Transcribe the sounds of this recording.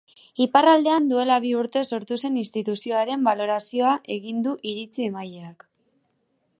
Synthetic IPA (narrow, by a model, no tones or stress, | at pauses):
iparald̪e̞and̪ue̞laβ̞iuɾt̪e̞so̞ɾt̪use̞ninst̪it̪usio̞aɾe̞mbalo̞ɾasio̞aʔe̞ɣ̞ind̪uʔiɾit͡sie̞majeak